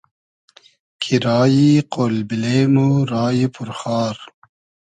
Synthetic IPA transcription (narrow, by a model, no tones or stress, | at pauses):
kʰiɾɑːjiqolbileːmuɾɑːjipʰuɾxɑːɾ